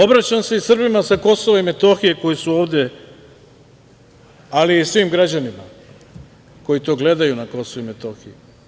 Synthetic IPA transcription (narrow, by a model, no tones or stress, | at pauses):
o̞bɾat͡ɕamse̞isr̩bimasako̞soʋaime̞t̪o̞xije̞ko̞jisuo̞ːʋd̪e̞ | aliːsʋimɡɾad͡ʑanima | ko̞jit̪o̞ːɡle̞d̪ajunako̞soʋime̞t̪o̞xiji